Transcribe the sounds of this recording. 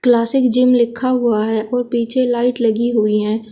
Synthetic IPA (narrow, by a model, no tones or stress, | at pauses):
klaːsɪkd͡ʒɪmlɪkʰːaɦʊaɦɛʔɔːɾpiːt͡ʃʰelaːɪʈləɡiɦʊiɦɛ̃ː